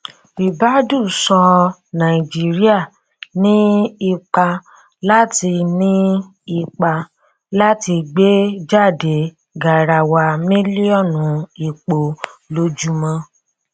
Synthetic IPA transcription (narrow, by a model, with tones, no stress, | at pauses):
i˨ba˦du˦˨sɔ˧nã˨i˨d͡ʒi˦ɾi˦a˦˨ | nĩ˦i˧k͡pa˧ | la˦ti˧nĩ˦ | i˧k͡pa˧ | la˦ti˧ɡ͡be˦d͡ʒa˦˨de˨˦ | ɡa˨ɾa˧˨wa˧mĩ˦li˦ɔ˦˨nũ˨˦i˨k͡po˨lo˧d͡ʒu˧mã˧